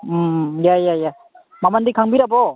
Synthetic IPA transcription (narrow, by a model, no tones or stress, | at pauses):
jajaja | mamandikʰaŋbiɾabɔ